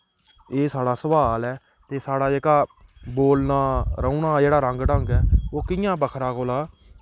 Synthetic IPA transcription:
eːsaːɽaːsəʋaːlɛː | t̪eːsaːɽaːd͡ʒeːkaːboːlnaːɾəuːnaːd͡ʒeːɽaːɾəŋɡɖəŋɡɛːoːkɪjãːbəkʰɾaːkoːlaː

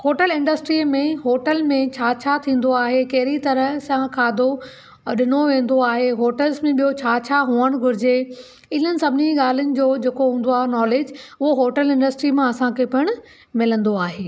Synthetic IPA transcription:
hoːʈəlɪ̃ɳɖəsʈɾimẽɦoːʈəlmẽt͡ɕʰaːt͡ɕʰat̪ʰĩːn̆d̪oaːɦekɐɦɪɾit̪ɐɾə̆sãkʰaːd̪ʱo | ɗɪnoʋẽːn̆d̪oaːɦeɦoːʈəlzmẽɓijot͡ɕʰaːt͡ɕʰaɦuəɽ̃ɡʱʊɾɪd͡ʑe | ɪn̤ənɪ̆sɐbʱɪniɠaːl̤ənɪ̆d͡ʑoːd͡ʑeːkoɦũːn̆d̪oaːɦenɔːleːd͡ʑʊɦoɦoːʈəlɪ̃ɳɖəsʈɾimãɐsãkʰepɐɽ̃ʊ | mɪlə̃nd̪oaːɦeː

